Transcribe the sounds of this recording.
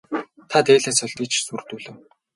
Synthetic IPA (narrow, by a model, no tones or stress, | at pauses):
t̪ʰat̪eːɮiːnsʊ̆ɮt̪it͡ɕsurt̪uːɮɘ̆w